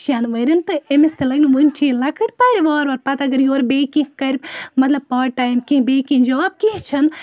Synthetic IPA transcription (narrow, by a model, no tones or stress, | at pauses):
t͡ʃʰanʋɐɾʲint̪ɨemist̪elɐɡniʋunʲt͡ʃʰilɐkʰɐʈpaːɾʲiʋaːɾʋɐɾpɐt̪ɐɡɐɾjoːɾbeːkĩkɐɾʲmɐt̪lɐb̚paːʈ̚ʈːaːjmkĩɦbeːkĩd͡ʒaːb̚keɦt͡ʃʰɐn